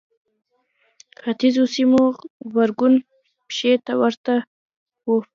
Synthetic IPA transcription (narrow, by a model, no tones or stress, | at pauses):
xat̪izosimobaɾɡun | pʃet̪awaɾt̪a | wo